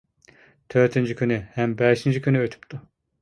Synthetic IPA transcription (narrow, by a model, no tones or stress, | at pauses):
t̪ʰøɾt̪ʰind͡ʒicʰʲynyhæmbɛʃind͡ʒicʲʰynyøt̪ʰy̥pt̪ʰu